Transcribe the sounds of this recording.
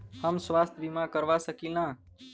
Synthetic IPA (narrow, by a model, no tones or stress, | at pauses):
həmsʋaːst̪ʰbimãkəɾʋasəkinã